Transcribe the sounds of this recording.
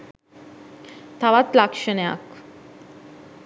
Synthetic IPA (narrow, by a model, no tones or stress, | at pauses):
t̪ʰaʋat̪lakʃəna̰k